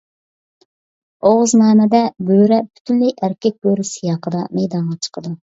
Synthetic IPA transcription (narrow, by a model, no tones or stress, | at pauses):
oʁʊznɑːnɛd̪ɛbøɾɛbʰy̥t̪ʰynlɪjʔæɾkʲɛk̚b̥øɾɪsijɑːqʰəd̪ɑmɛjd̪ɑnʁɑt͡ʃʰə̥qʰəd̪u